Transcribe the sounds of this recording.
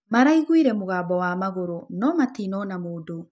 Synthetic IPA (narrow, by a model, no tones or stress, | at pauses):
maɾaiɣwiɾɛmoɣaːbɔwamaɣoɾonɔmatinɔːnamoːdo